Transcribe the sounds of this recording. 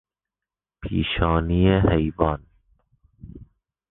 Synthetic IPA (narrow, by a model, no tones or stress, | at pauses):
pʰḭːʃɑːniːehejbɑːn